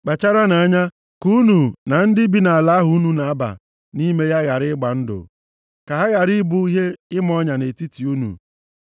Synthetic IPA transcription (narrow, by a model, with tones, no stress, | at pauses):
k͡pa˨t͡ʃa˦ɾa˦na˨a˦ɲa˦ | ku˦nu˨na˨n̩˦dɪ˦bi˨na˨a˨la˦ɦʊ˨˦u˦nu˨na˨a˦ba̰˨ | ni˦me˦ja˦ɣa˨ɾɪ˦ɪ˦ɡ͡ba˨n̩˦dʊ̰˨ | ka˨ɦa˦ɣa˨ɾi˦bu˦i˦ɦe˦ɪ˦m˦ɔ˦ɲa˨ne˨ti˦ti˨u˦nṵ˨